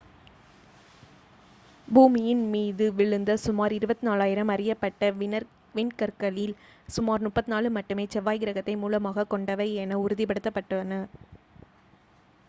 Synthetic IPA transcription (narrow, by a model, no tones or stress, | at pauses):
buːmɪjɪnmiːðɯʋɪɭɯnd̪ɐsʊmaːɾɪɾɯbɐt̪ːinaːlaːjɪɾɐmɐrɪjɐpːɐʈːɐɪnɐɾ | ʋɪɳkɐɾkɐlɪlsʊmaːɾnʊʈpːɐt̪ːɪnaːlɯmɐʈːɯmeːt͡ʃɛʋːaːjɡɪɾɐɣɐt̪ːɐɪmuːlɐmaːɣɐkːɔɳɖɐʋɐɪɛnɐʊɾʊðɪp̬ɐɽɯt̪ːɐpːɐʈːɐnɐ